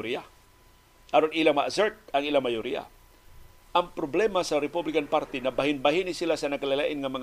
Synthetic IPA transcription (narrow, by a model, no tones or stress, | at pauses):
ɾia | aɾonilaŋmaʔazɛɹt̪̚ɐŋilaŋmajoɾḭa̰ | ʔaŋpɾoblɛmasaɾɛpublɪkanpaɾt̪inɐbaɦɪnbaɦinisɪlasɐnɐɡkalala̰ʔɪnŋɐmɐŋ